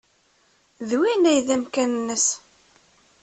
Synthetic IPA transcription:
ðwinæjðæmkænənːəs

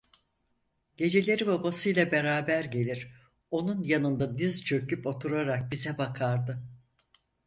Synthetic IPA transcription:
ɟ̥e̞d͡ʒe̞lʲe̞ɾibabasɯjlˠabe̞ɾaːbæɾɟe̞lʲiɾ̥ | o̞nunjanɯnd̪ad̪izt͡ʃʰø̞kypo̞t̪ʰuɾaɾak̚bizɛbakʰaɾd̪ɯ

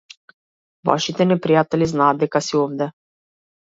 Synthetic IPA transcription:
va̰ʃit̪enepɾijat̪əliznad̪ekasiomd̪ɛ

